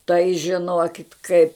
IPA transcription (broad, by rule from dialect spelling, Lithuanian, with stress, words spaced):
tɐɪ ʒʲɪˈnoːkʲɪt kɐɪp